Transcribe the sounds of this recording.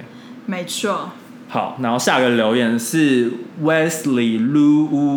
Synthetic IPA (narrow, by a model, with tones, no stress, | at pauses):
me˧˦ɪt͡ʃʰu˥ | ha˨˦ʊna˧˦nho˥˧ʊɕja˥˨ɡə˨˩ljo˧˦ʊjɛ˨˦nʂɻ̩˥˨wɛ˦sli˨˩lu˦u˦